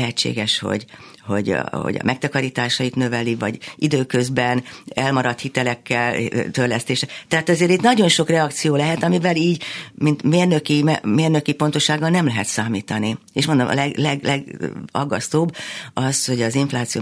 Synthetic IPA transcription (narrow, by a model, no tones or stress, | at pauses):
ɦɛt͡ʃːḛːɡɛʃho̞̰ɟ | ho̞̰ɟ̰ho̰ɟɒ̰mɛk̚t̪ɒkɒɾiːt̪aːʃɒjit̪nøvɛlivɒ̰ɟid̪øːkøzbɛnɛlmɒɾɒt̪hit̪ɛlɛkːɛlt̪ørlɛst̪eːʃɛt̪ɛɦaːt̪ɛzeːɾit̪nɒɟo̞nʃo̞krɛɒkt̪sijoːlɛɦɛt̪ɒmivɛliːɟmint̪meːrnøkimɛmeːrnøkipo̞nt̪o̞ʃːaːɡːɒlnɛmlɛɦɛt̪saːmiːt̪ɒnieːʃmond̪o̰mɒ̰lɛɡlɛɡlɛɡɒɡːɒst̪oːbːɒsho̞ɟɒziɱflaːt̪sio̰